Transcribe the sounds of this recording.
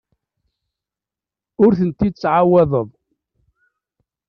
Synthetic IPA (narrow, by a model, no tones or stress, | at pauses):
ʊɾθənt̪id̪t͡sːʕawæðˤəðˤ